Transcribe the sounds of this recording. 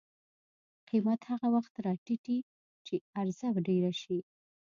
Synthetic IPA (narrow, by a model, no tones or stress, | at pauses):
qimat̪haɣawaxt̪ɾɑʈiʈi | t͡ʃeaɾzabɖeɾaʃi